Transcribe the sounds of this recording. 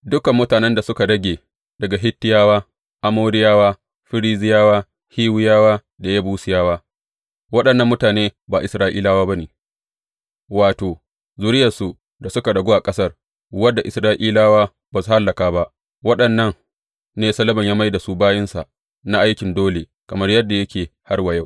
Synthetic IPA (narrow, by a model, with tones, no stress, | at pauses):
dʊ˦kɐ˨mːʊ˦taː˨nɛ˦nda˨sʊ˦ka˨ɽɐ˦ɡʲeː˨ | dɐ˨ɡa˨ɦɪ˦tːɪ˦jaː˦waː˦ | ʔa˦moː˦ɾɪ˦jaː˦waː˦ | ɸɪ˦ɾiː˦zɪ˦jaː˦waː˦ | hiː˦wɪ˦jaː˦waː˦ | da˨ja˦buː˦sɪ˦jaː˦waː˦ | wɐ˦ɗɐ˨nːɐ˦mːʊ˦taː˨neː˦ba˨ʔɪ˨sɾaː˦ʔḭː˦laː˦waː˦ba˦neː˨ | waː˨toː˨ | zu˨ɾɪ˦jɐ˨su˨ | da˨sʊ˦ka˨ɽɐ˨ɡʷo˦ʔa˨kʼɐ˦sɐ˦r | wɐ˦dːa˨ʔɪ˨sɾaː˦ʔiː˦laː˦waː˦ | ba˨su˨ha˦lːɐ˨kaː˦ba˦ʔ | wɐ˦ɗɐ˨nːɐ˦ŋ | neː˦sɐ˦lɐ˦bɐ˨ɲjaː˦ma˦jda˨su˦baː˦jɪ˦nsa̰˨ | na˦ʔa˦jkʲɪ˨ndoː˦le˨ | kɐ˨mɐ˦rjɐ˦dːa˨jɐ˦kʲeː˨ha˦rwɐ˨ja˦˨w